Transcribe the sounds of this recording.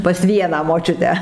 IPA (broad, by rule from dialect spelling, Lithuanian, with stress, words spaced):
pɐs ˈʋʲiɛnɑː moːˈt͡ʃʲʊtʲæː